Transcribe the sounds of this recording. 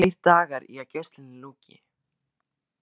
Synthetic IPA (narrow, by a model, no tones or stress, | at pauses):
ejɾ̥t̪aːɣaɾḭacɛst̪lɪnɪluːcɪ̰